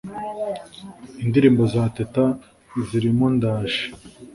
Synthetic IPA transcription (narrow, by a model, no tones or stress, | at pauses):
indiɾiːmbozaːteta | ziɾimondaːʃe̥